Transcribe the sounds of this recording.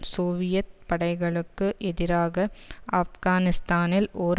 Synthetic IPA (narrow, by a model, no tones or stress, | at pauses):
soːʋɪjɐt̪̚pɐɽɐɪɣɐɭɯkːɯʔɛðɪɾaːɣɐʔɐfɣaːnɪst̪aːnɪlʔoːɾ